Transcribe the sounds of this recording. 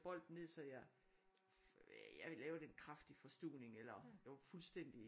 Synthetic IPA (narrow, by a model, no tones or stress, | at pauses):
b̥ɒ̽l̰d̥n̩ne̝ð̞̰ˠsɒ̽ja | jɑlɛːʊɐd̥e̝nkʰʁɑfd̥ifɒ̽sd̥uːne̝ŋelɐjaɐfulsd̥en̰d̥i